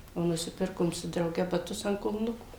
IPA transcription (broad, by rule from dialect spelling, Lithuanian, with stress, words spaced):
oː nʊˈsʲɪpʲɪrkoːm sʊ drɐʊˈɡʲɛ bɐˈtʊs ɐnt kʊlˠˈnʊkuː